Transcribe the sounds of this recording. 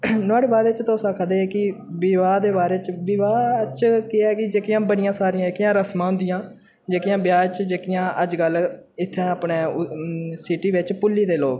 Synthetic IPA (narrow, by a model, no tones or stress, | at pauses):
nʊaːɽeːbaːd̪et͡ʃt̪oːsãːkʰəd̪eːkɪ | ʋɪʋaːd̪eːbaːɾeːt͡ʃʋɪʋaːt͡ʃkɪɛːkɪd͡ʒeːkɪjãːbəɽɪjãːsaːɾɪãd͡ʒeːkijãːɾəsmãːʊnd̪ɪjãː | d͡ʒeːkijãːbjaːt͡ʃd͡ʒeːkijãːʔəd͡ʒɡəlɪt̪ʰːɛ̃ːəpneː | sɪʈiːʋɪt͡ʃpʊlːiːd̪eːloːɡ